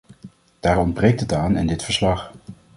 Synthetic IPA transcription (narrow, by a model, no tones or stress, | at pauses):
d̥aːɹɔndbrejk̚tətaːnɛ̰ndɪtfəɹslɑχ